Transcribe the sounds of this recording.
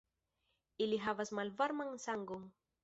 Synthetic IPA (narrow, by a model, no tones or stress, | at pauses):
iliɦavasmalvaɾmaŋsaŋɡuŋ